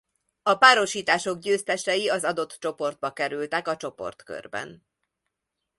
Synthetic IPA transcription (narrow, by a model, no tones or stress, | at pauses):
ɒpaːɾo̞ʃiːt̪aːʃo̞ɡ̚ɟøːst̪ɛʃt̪ɛjiɒzɒd̪o̞t̪t͡ʃo̞po̞rd̪̚bɒkɛɾylt̪ɛkɒt͡ʃo̞po̞̰rt̪kø̰rbɛ̰n